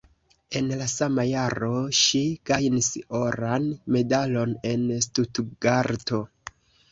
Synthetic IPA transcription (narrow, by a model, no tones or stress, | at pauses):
e̞nlasamajaɾo̞ʃiɡ̥ajniso̞ɾanme̞dalo̞ne̞nstutɡaɾto̞